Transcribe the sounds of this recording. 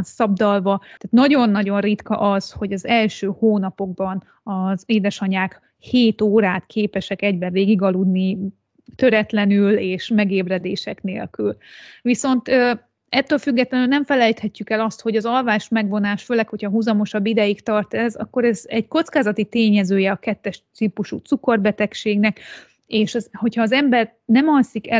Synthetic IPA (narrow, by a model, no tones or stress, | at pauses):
nsɒbd̪ɒlvɒt̪aːt̪nɒɟo̞nːɒɟo̞nrit̪kɒ̰ʔɒzho̞ɟɒzɛlʃøːhoːnɒpo̞ɡ̚bɒn | ɒzeːd̪ɛʃɒɲaːk | heːt̪oːɾaːt̪kʰeːpɛʃɛkɛɟbɛveːɡiɡɒlud̪ni | t̪ø̞ɾɛt̪lɛnyleːʃmɛɡeːbrɛd̪eːʃɛkneːlkylviso̞nt̪ø | ɛt̪ːøːlfyɡːɛt̪lɛnylnɛɱfɛlɛjt̪hɛcːykɛlɒst̪ho̞ɟɒzɒlvaːʃmɛɡvo̞naːʃføːlɛkho̞chɒɦuzɒmo̞ʃɒbːid̪ɛjikt̪ɒrt̪ɛzɒ̰kːo̞ɾɛzɛɟko̞t̪skaːzɒt̪it̪eːɲɛzøːjɛɒkɛt̪ːɛʃsiːpuʃut̪suko̞rbɛt̪ɛkʃeːɡnɛk | eːʃɒho̞chɒːzɛmbɛr | nɛmɒnsikɛ